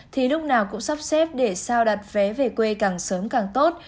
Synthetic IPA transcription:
t̪ʰi˨˩lʊ˦˥k͡p̚naː˨˩wkʊ̰˧˥ŋ͡msa˦˥p̚sɛ˦˥p̚ɗe˧˩saː˧wɗa˨˩t̚vɛ˨˦ve˨˩kwe˧kaː˨˩ŋsəː˨˦mkaː˨˩ŋt̪o˦˥t̚

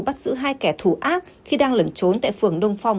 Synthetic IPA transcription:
ɓa˦˥t̚zɨ̰˧˥ɦaː˧jkɛ˧˩t̪ʰu˧˩ʔaː˦˥t̚xi˧ɗaː˧ŋlə˨˩nt͡ɕo˨˦nt̪a̰ː˧˨jfɨ˧˨˩əŋɗə˧wŋ͡mfa˧wŋ͡m

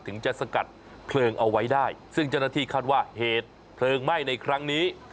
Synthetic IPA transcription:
t̪ʰɯ˩˦ŋt͡ɕa˨˩ʔsa˧ka˨˩t̪̚ | pʰlɤː˧ŋʔa˧wa˦˥jdaː˥˩jsɯ˥˩ŋt͡ɕa˥˩wnaː˥˩t̪ʰiː˥˩kʰaː˥˩t̪̚waː˥˩heː˨˩t̪̚ | pʰlɤː˧ŋma˥˩jna˧jkʰɾa˦˥ŋniː˦˥

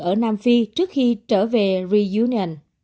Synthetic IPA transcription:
ʔəː˧˩naː˧mfi˧t͡ɕɨ˦˥ək̚xi˧t͡ɕəː˧˩ve˨˩ɹi˧ju˧˦ni˧ə˨˩n

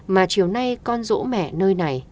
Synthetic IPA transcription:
maː˨˩t͡ɕi˨˩əwna˧jkɔ˧nzo̰˧˥mɛ̰˧˨nəː˧jna˨˩j

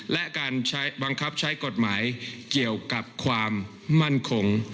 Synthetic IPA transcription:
lɛ˦˥ʔkaː˧nt͡ɕʰa˦˥jba˧ŋkʰa˦˥p̚t͡ɕʰa˦˥jko˨˩t̪̚maː˩˦jki˨˩əwka˨˩p̚kʰwaː˧mː | a˦˥˩nkʰo˧ŋ

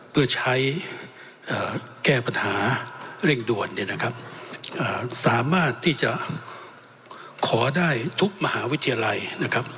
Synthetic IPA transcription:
pʰɯ˥˩ɐt͡ɕʰa˦˥j | ʔaː˨˩kɛː˥˩pa˧nhaː˩˦ɾe˥˩ŋdu˨˩ənːi˧˥˩na˦˥kʰa˦˥p̚ʔaː˧˩saː˩˦maː˥˩t̪ʰːiː˥˩t͡ɕa˨˩ | kʰɔː˩˦daː˥˩jt̪ʰu˦˥k̚ma˧haː˩˦wt̪ʰːi˧jaː˧la˧jna˦˥kʰɾa˦˥p̚

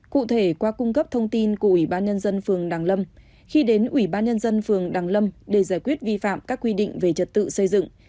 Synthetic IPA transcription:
kṵ˧˨t̪ʰe˧˩kwaː˧kʊ˧ŋ͡mkə˦˥p̚t̪ʰə˧wŋ͡mt̪i˧nku˧˩əʔwi˧˩ɓaː˧nɲə˧nzə˧nfɨ˨˩əŋɗaː˨˩ŋlə˧m | xi˧ɗe˨˦nʔwi˧˩ɓaː˧nɲə˧nzə˧nfɨ˨˩əŋɗaː˨˩ŋlə˧mɗe˧˩zaː˧˩jkwi˦˥ət̚vi˧fa̰ː˧˨mkaː˦˥kːwi˧ɗḭ˧˨ŋ̟ve˨˩t͡ɕə˨˩t̚t̪ɨ̰˧˨sə˧jzɨ̰˧˨ŋ

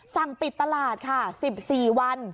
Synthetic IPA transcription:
sa˨˩ŋpi˨˩t̪ːa˧laː˨˩t̪̚kʰa˥˩si˨˩p̚siː˨˩wa˧˥n

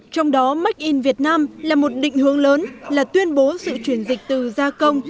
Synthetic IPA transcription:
t͡ɕɔ˧wŋ͡mɗɔ˨˦ma˦˥k̟̚ʔi˧nvi˨˩ət̚naː˧mlaː˨˩mo˨˩t̚ɗḭ˧˨ŋ̟hɨ˨˦əŋləː˨˦nlaː˨˩t̪wi˧ənɓo˨˦sɨ̰˧˨t͡ɕwi˧˩ənzï˨˩k̟̚t̪ɨ˨˩zaː˧kə˧wŋ͡m

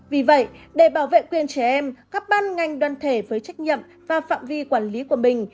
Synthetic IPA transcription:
vi˨˩və̰˧˨jɗe˧˩ɓaː˧˩wvḛ˧˨kwi˨˩ənt͡ɕɛ˧˩ʔɛ˧mkaː˦˥k̚ɓaː˧nŋa˨˩jŋ̟ɗwaː˧˨nt̪ʰe˧˩vəː˨˦jt͡ɕa˦˥jk̟̚ɲḭ˧˨m | vaː˨˩fa̰ː˧˨mvi˧kwaː˧˩nli˨˦ku˧˩əmï˨˩ŋ̟

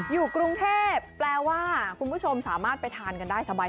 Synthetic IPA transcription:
juː˨˩kɾu˧ŋt̪ʰeː˥˩pːlɛː˧waː˥˩kʰu˧npʰu˦˥˩t͡ɕʰo˧msaː˩˦maː˥˩t̪̚pa˧jt̪ʰaː˧nka˧ndaː˥˩jsa˧baː˧

